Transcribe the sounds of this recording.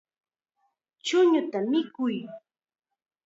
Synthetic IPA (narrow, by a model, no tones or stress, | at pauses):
t͡ʃʊɲʊt̪amɪkʊj